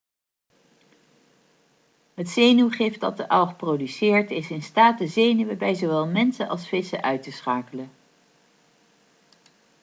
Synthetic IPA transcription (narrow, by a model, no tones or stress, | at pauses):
ɦətsejnywχɪft̚dɑ̰t̚dəʔɑwχprowdysɪːɹtɪsɪnstaːt̚dəzejnywəbɛjzowʋɛlˠmɛnsənɑ̰lˠsfɪsə̰ʔœɥtəsχaːkələ